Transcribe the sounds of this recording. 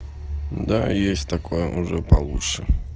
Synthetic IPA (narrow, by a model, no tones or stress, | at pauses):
d̪ajesʲtʲt̪akojəʔʊʐɛpɐlˠutʂə